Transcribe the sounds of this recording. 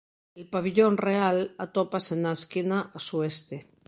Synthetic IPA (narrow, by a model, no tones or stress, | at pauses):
elpaβ̞iʎonrealat̪opasenaeskinasuest̪e